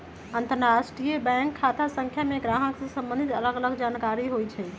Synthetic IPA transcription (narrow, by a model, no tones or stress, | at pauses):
ənt̪əɾɾasʈɾijebɛ̃kʰːat̪ʰasə̃ŋkʰjameɡɾaɦəksə̃sə̃mbə̃nd̪ʱit̪ələɡələɡd͡ʒankaɾiɦojt͡ʃʰɛ